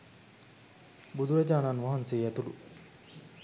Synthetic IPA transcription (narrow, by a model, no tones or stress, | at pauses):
bud̪uɾɐd͡ʒaːnanʋaɦanseːæt̪ulṵ